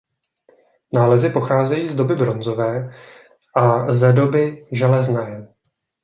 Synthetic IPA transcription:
naːlɛzɪpo̞xaːzɛjiːzdo̞bɪbɾo̞nzo̞vɛː | ʔazɛdo̞bɪʒɛlɛznɛː

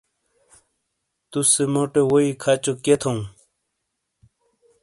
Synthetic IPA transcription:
t̪usemoʈewoikʰat͡ɕoket̪ʰõw̃

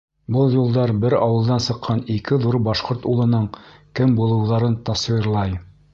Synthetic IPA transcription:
bɤlˠjulˠd̪ɑɾbɘɾɑwɤ̆lˠd̪ɑnsɤ̆qːɑnikɘðuɾbɑʃqoɾt̪ulˠɤ̆nɤɴkɘmbulˠɤ̆wðɑɾɤnt̪ɑswiɾlˠɑj

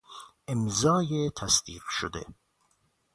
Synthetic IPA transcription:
emzɒːjet̪ʰæsd̪iːqʃod̪ḛ

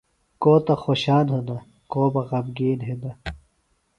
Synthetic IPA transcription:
koːt̪ɐxoːɕaːnɦod̪ɐ | koːbɐɣɐbɡeːdɦed̪ɐ

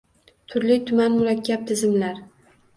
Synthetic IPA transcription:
t̪ʰʊɾlɪt̪ʰʊmanmʊɾakʲːap̚t̪ʰɪzɪmlaɾ

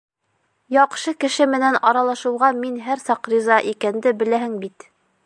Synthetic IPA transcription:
jɑqʃɤkɘ̆ʃɘmɘ̆nænɑɾɑlˠɑʃɤ̆wʁɑminɦæɾsɑqɾizɑʔikænd̪ɘbɘ̆læhɘŋbit̪

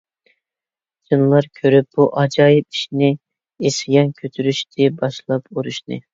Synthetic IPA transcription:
d͡ʒɨnlˠɑɾkʲʰøɾyp̚b̥uʔɑd͡ʒɑjipi̥ʃnɪ | esɪɡʲɑnkʲʰøt̪ʰyɾyʃt̪ʰɪbɑʃlˠɑpuɾuʃnɨ̰

